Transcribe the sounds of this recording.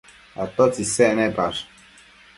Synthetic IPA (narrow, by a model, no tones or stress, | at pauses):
at̪ɔt͡sisɛnɛbaɾ